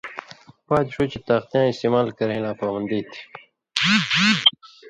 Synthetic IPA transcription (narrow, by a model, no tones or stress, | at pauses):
paːt̪ʂoːt͡ɕit̪aːqt̪ijãːist̪eːmaːlkɐɾẽnaːpaːwɐnd̪iːt̪ʰi̥